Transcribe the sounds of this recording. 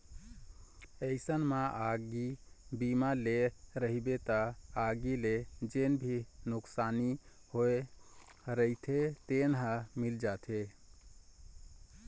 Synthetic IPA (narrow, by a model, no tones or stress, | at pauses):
əɪsənmaʔaɡibimaleɾəɦibet̪ɔaɡiled͡ʒenbʱinuksanihoe | ɾəit̪ʰet̪enɦãmild͡ʒat̪ʰe